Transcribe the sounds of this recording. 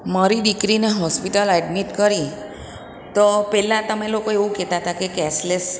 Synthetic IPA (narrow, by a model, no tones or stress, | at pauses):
maɾiɖikɾineɦɔspiʈələɖmiʈkəɾi | t̪opɛlãt̪əmelokoeʋũkɛt̪at̪akekɛsles